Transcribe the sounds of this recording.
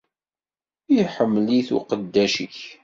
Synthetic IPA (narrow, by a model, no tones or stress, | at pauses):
iħəmːliθṵqəd̪ːæʃə̰ç